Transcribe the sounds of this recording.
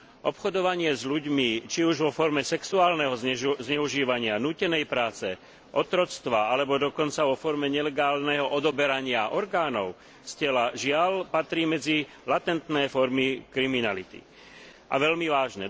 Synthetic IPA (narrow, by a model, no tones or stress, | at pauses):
ʔɔpxɔd̪ɔʋaɲɪɛzʎuɟmit͡ʃiuʒʋɔfɔɾmɛsɛksuaːlnɛɦɔzɲɛuʒiːʋaɲɪanuːcɛnɛjpɾaːt͡sɛ | ʔɔt̪ɾɔt͡st̪ʋaalɛbɔd̪ɔkɔnt͡saʋɔfɔɾmɛɲɛlɛɡaːlnɛɦɔʔɔd̪ɔbɛɾaɲɪaʔɔɾɡaːnɔʊ | scɛlaʒɪalpat̪ɾiːmɛd͡zi | lat̪ɛnt̪nɛːfɔɾmikɾiminalit̪ḭ | ʔa̰ʋɛlmiʋaːʒnɛ